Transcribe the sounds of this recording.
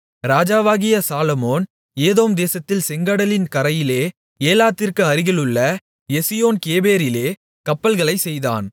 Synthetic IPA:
ɾaːd͡ʒaːʋaːɣɪjɐsaːlɐmoːn | eːðoːmd̪eːsɐt̪ːɪlsɛŋɡɐɽɐlɪnkɐɾɐjɪleː | eːlaːt̪ːɪrkɯɐɾɪɣɐɭɯɭːɐ | jɛsɪjoːnkeːbeːɾɪleː | kɐpːɐlɣɐɭɐɪsɛjða̰ːn

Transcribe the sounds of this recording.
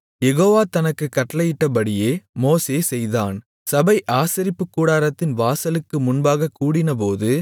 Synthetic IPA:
jɛɣoːʋaːt̪ɐnɐkːɯkːɐʈːɐlɐjɪʈːɐpɐɽɪjeːmoːseːsɛjða̰ːn | sɐbɐɪʔaːsɪɾɪpːɯkːuːɽaːɾɐt̪ːɪnʋaːsɐlɯkːɯmʊnbaːɣɐkːuːɽɪnɐpoːðɯ

